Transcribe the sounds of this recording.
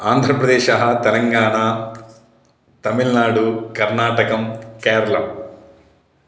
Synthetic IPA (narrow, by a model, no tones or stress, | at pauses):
aːnd̪ʱɾɐpɾɐd̪ɛːʃɐɦɐt̪ɛlɐŋɡaːɳaː | t̪ɐmiɭnaːɽukɐɾnaːʈɐkɐmkɛːɾɐlɐm